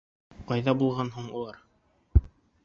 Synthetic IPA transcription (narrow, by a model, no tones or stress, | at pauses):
qɑjðɑbulˠʁɑnɦuɴulˠɑɾ